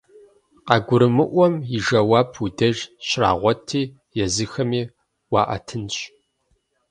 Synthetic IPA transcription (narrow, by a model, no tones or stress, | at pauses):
qɑːɡʷʊɾɨmɨʔʷɔmjɪʒɐwɑːpʰudɐʒɕra̰ːʁʷɔtʰiː | jɛzɨxɐmiː | wɑːʔɐ̰tʰɨnɕ